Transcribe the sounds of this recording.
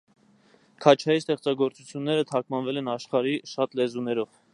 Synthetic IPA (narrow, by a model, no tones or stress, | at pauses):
kʰɑt͡ʃʰɑjist̪ɛχt͡sɑɡɔɾt͡sut͡sʰjunːɛɾət̪ʰɑkmɑnvɛlɛnɑʃχɑɾiʃɑt̪lɛzunɛɾɔv̥